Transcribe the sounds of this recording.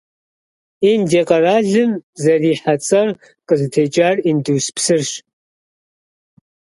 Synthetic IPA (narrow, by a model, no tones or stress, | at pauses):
indeqʼɐraɮɨmzɐriːħat͡sʼɐr | qʼəzɨtʰet͡ʃʼarinduwspʰsɨrʃ